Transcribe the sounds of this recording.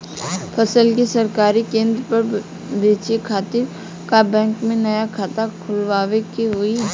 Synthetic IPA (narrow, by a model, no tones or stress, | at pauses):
pʰɐsəlkisɐɾkaːɾikẽːnd̪ɾpɐɾ | beːt͡ʃekʰaːt̪ɪɾ | kabɛ̃ːŋkmẽnɐjakʰaːt̪akʰʊlʋaːʋekiɦʊi